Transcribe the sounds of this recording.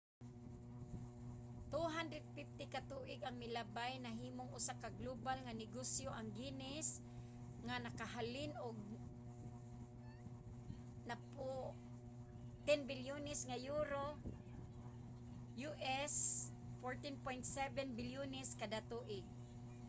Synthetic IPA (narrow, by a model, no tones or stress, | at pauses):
t̪uɦand̪ɾɛd̪̚fɪft̪ɪkat̪uʔɪɡaŋmɪlabajnaɦiːmoŋʊsakaɡlobalŋanɪɡosjoʔaŋɡinɪs | ŋanakaɦalɪnʊɡ̚ | napʊ | t̪ɛnbɪljunɪsŋajuɾo | juʔɛs | foɹt̪ɪnpojnt̪sɛvɛnbɪljunɛskad̪at̪uʔɪɡ̚